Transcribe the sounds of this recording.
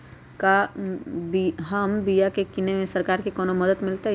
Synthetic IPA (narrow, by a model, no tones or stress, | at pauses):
ka | bɦɐmbijakekɪnemẽsɐɾkaːɾkikɔːnomɐd̪ət̪mɪlt̪e